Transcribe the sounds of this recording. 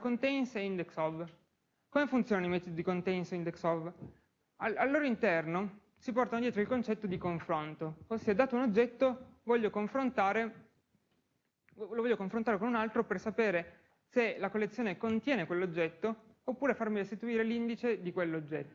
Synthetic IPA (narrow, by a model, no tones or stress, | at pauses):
kont̪einseind̪eksɔv | komefunt̪sjoːnanoimɛt̪od̪id̪ikont̪ɛnsind̪eksɔv | aalːoːɾoint̪ɛrno | sipɔrt̪anod̪jɛːt̪ɾoilkont͡ʃɛt̪ːod̪ikoɱfɾont̪oosːied̪aːt̪ounod͡ʒːɛt̪ːovɔʎːokoɱfɾont̪aːɾe | lovɔʎːokoɱfɾont̪aːɾekonunalt̪ɾopersapeːɾe | selakolːet̪sjoːnekont̪jɛːnekwelːod͡ʒːɛt̪ːoːpːuːɾefarmiɾest̪it̪uiːɾelind̪it͡ʃed̪ikwelːod͡ʒːɛt̪ːo